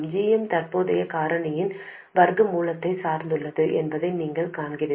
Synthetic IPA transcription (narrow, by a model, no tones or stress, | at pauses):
d͡ʒiːjɛmt̪ɐrpoːðɐjɐkaːɾɐɳɐjɪn | ʋɐɾɡɯmuːlɐt̪ːɐɪsaːɾnd̪ɯɭːɐðɯʔɛnbɐðɐɪniːŋɡɐɭkaːɳɡɪɾɐ